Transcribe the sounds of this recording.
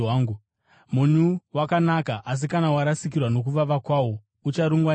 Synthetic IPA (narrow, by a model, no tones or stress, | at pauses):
aːŋɡu | muɲuwakanakaʔas̬ikanawaɾasik̬irwano̞k̬uʋaʋakwaːwo̞ | ut͡ʃaɾuŋɡwa